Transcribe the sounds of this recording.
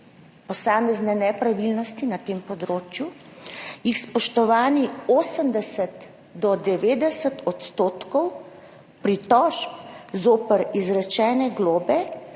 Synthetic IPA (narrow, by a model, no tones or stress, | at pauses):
pɔsaːmɛznɛnɛpɾaʋilnɔst̪inat̪eːmpɔd̪ɾoːt͡ʃju | jixspɔʃt̪ɔʋaːnioːsəmd̪ɛsət̪ | d̪ɔd̪ɛʋeːd̪ɛsət̪ʰɔt̪st̪oːt̪kɔw | pɾit̪ɔʃp̚zoːpəɾizɾɛt͡ʃɛːnɛɡloːbɛ